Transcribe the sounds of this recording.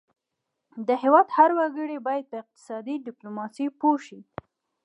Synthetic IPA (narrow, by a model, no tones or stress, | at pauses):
d̪əhewɑd̪haɾwaɡəɽebɑjad̪̚pəɪq̚t̪ɪ̥sɑd̪iɖɪplomɑsipoʃi